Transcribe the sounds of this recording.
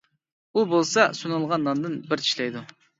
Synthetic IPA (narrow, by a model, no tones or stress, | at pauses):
ubolˠsɑsunɨlˠʁɑnːɑnd̪ɨnbɪɾʰi̥ʃlɛjd̪u